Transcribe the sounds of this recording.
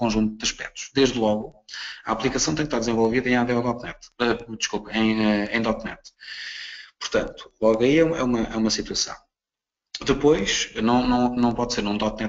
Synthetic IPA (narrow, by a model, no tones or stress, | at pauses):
kõʒũnt̪ud̪ɐʃpɛ̰t̪u̥ʃd̪eʒðlˠɔɣuɐaplˠikɐsɐ̃w̃t̪ɐ̃ɲ̃ʃt̪aɾd̪zẽvolˠviðɐẽaðeɔðɔt̪nɛt̪ɛd̪ɨʃkulˠpɐẽj̃ɛẽj̃d̪ɔt̪nɛt̪ | puɾt̪ɐ̃nt̪u̥lˠɔɣɐiɛɛ̰umɐʔɛ̰umɐsit̪wɐsɐ̰̃w̃ | d̪ɨpojʃnɐ̃w̃nɐ̃w̃nɐ̃w̃pɔðseɾnũd̪ɔt̪̚nɛt̪